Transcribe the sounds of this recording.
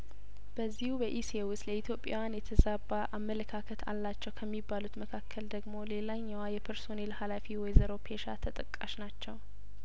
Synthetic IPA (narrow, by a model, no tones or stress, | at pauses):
b̥əzːihubəʔisewʊsləit̪ʰjo̞pʼːja̰wjanjɛt̪ʰəzabːaʔamːələkʰakʰət̪ʰa̰lːat͡ʃːɛwkʰəmːibːalut̪məkʰakʰːəld̪əɡmo̞le̞laɲːawajɛpʰəɾso̞nelhalafiwɔjzəɾo̞pʰeʃa̰t̪ʰət̪ʼəkʼːaʃnat͡ʃːɛw